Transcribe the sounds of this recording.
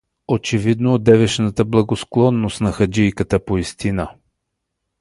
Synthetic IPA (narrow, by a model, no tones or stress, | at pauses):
ot͡ʃɛvid̪noːd̪ɛvɛʃnət̪əblˠɐɡosklˠɔnːost̪nɐxɐd͡ʒijkət̪əpoist̪ina